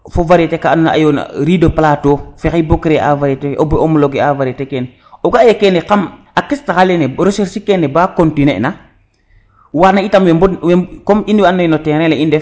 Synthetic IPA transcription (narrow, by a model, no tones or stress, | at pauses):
fovaɾetekaːnna̰ʔa̰jona̰ɾidoplatofexibokɾea̰vaɾeteʔoboomloɡɛavaɾetɛkɛn | ɔɡajekɛnekam | akistaxalenɛɾoseɾsikɛnɛbaːkontinḛna | wanaitamwbɔwekɔminiwanːoinotɛɾɛlɛindɛ